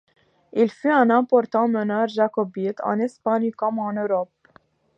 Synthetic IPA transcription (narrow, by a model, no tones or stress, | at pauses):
ilfyɛ̃nɛ̃pɔʁt̪ɑ̃mənœʁʒakɔbit̪ɑ̰̃nɛspaɲkɔmɑ̃nøʁɔp̚